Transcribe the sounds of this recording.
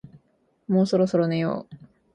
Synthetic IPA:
moːsoɾo̞soɾonẽjo̰ː

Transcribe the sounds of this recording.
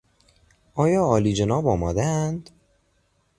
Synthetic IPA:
ʔɒːjɒːliːd͡ʒenɒːbɒːmɒːd̪æænd̪̥

